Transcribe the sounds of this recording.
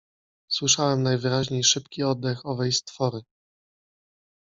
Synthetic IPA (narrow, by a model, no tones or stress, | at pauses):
swɘʂawɛmnajvɘɾaʑɲejʂɘpkʲiɔd̪ːɛxɔvɛjst̪fɔɾɘ